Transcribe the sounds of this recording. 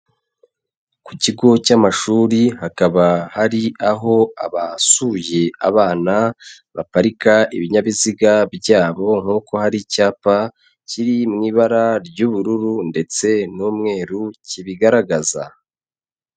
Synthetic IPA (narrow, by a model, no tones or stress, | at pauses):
kuciɡo̞camaʃuːɾihakaβahaɾiaɦo̞a̰βasuje̞a̰βaːna | βapaɾikaiβiɲaβiziɡabɟaːβo̞ŋ̥huːko̞haɾicaːpa | ciɾimŋiːβaɾaɾɟuːβuɾuɾunde̞t͡se̞nuːmŋe̞ːɾuciβiɡaɾaɡaza̰